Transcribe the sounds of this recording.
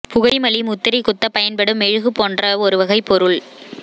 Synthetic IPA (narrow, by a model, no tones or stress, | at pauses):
pʊɣɐɪmɐɭimʊt̪ːɪɾikʊt̪ːɐpɐjɐnpɐɽɯmɛɻɯɣɯpoːndrɐɔɾɯʋɐɣɐɪpːɔɾɯɭ